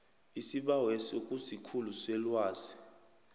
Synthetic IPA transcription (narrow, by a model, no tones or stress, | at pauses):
isiɓawesokʼusikʰulusɛlwaːsi̥